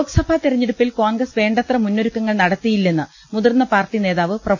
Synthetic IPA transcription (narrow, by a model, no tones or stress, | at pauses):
oksɐbʱat̪irɐɲːeɽupːilkoːnɡrɐsʋe̞ːɳɖɐt̪rɐmunːoɾukːɐŋːɐɭnɐɽɐt̪ːijilːenːɨ | muðɐrnːɐpaːrʈine̞ːðaːʋɨprɐ